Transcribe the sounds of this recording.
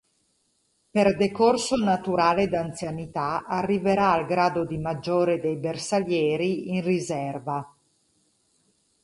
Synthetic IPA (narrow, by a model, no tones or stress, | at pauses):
perd̪ekorsonat̪uɾaːled̪ant̪sjanit̪aarːiveɾaːlɡɾaːd̪od̪imad͡ʒːoːɾed̪ejbersaljɛːɾiinrizɛrva